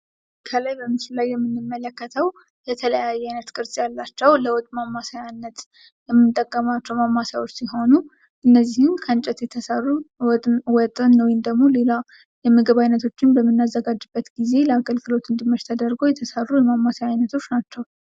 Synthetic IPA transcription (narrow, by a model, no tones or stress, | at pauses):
kʰəlajbəmːɨsɪllːajːɛmːɨnːɨmːələkːət̪ʰəw | jɛt̪ʰələjajːɛnət̪kʼɨɾsʼjalːat͡ʃːɛwləwɔt̪ʼmamːasajanːət̪ | jɛmːɨnt̪ʼːəkʼːəmat͡ʃːɛwmamːasajwo̞t͡ʃːsiɦo̞nu | ʔɨnːəzːihɨnkʰənt͡ʃʼɛt̪jɛt̪ʰəsarːuw̪ʼwɔt̪ʼɨnːəwjɪnd̪əɡmo̞le̞la | jɛmɨɡɨβajnət̪ʰo̞t͡ʃːɪnbəmːɨnːazːəɡad͡ʒːɨbːət̪ɡize̞ləaɡəlɡɨlo̞t̪ɨnd̪ɨmːəʃt̪ʰəd̪əɾɡo̞jɛt̪ʰəsarːujɛmamːasajajnət̪ʰo̞t͡ʃːnat͡ʃːɛw